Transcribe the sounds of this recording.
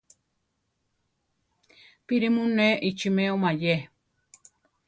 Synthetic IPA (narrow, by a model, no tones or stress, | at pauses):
piɾimũnẽʔit͡ʃimẽomãje